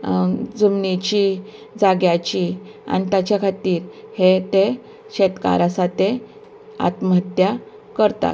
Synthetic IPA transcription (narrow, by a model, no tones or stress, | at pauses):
d͡zumnit͡ɕi | d͡zaɡjat͡ɕi | a̰nit̪jat͡ɕjakʰat̪iːɾhet̪e | ɕet̪ka̰ɾasat̪e | a̰t̪məɦət̪ja | kəɾt̪a̰t̪